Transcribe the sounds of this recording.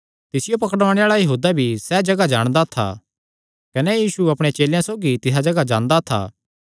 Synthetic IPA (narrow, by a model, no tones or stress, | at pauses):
t̪ɪsɪjopɐkɽʋãːɽ̃eaːɭajɐɦuːd̪abʱisɛːd͡ʒɐɡad͡ʒaːɽ̃d̪at̪ʰːa̰ | kɐnɛjiːsuɐpɽ̃et͡ʃeːljãsoːɡit̪ɪs̬ad͡ʒɐɡad͡ʒãːɽ̃d̪aːt̪ʰːa̰ː